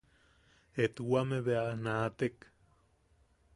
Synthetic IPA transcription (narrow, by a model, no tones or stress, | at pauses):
et̪uwameβeanat̪ek